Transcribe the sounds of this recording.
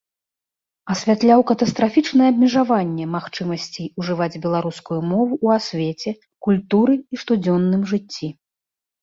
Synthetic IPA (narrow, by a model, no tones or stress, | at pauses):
ɐsʲvʲat̪lʲawkɐt̪ɐst̪ɾafʲit͡ʂnɐjɛɐbʲmʲɛʐavanʲːɛmaxt͡ʂɨmɐsʲt͡sʲiuʐɨvad͡zʲbʲɛlˠaɾuskujumɔvuʔːasʲvʲet͡sʲɛ | kulʲt̪uɾɨiʂt̪ud͡zʲɔnːɨmʐɨt͡sʲːi